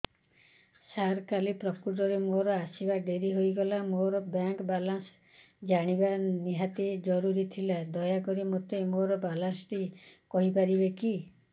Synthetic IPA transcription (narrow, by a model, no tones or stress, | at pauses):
saɾkalipɾɔkuɾɔɾemoɾɔasibaɖeɾiɦojɡɔlamoɾɔbjaŋkbalans | d͡ʒaɽ̃ibaniɦat̪ed͡ʒɔɾuɾit̪ʰilad̪ɔjakɔɾimot̪emoɾɔbalansʈikɔɦipaɾibeki